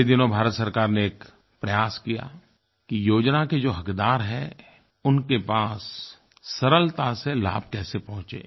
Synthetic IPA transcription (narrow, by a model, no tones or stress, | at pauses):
id̪ɪnõbʱaːɾət̪sɐɾkaːɾneeːk | pɾɐjaːskija̰ | kijoːd͡ʒnaked͡ʒoːɦɐkd̪aːɾɦɛ̃ | ʊnkepaːsː | ɐɾəlt̪asela̰ːb̚kɛːsepɔ̃ɦʊ̃t͡ʃḛː